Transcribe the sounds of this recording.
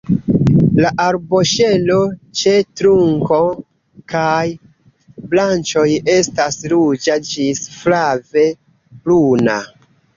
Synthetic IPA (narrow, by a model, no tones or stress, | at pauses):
laʔaɾbo̞ʃe̞lo̞t͡ʃe̞tɾuŋko̞ | kaj | blant͡ʃo̞je̞stasɾud͡ʒad͡ʒisflave̞ | pluna̰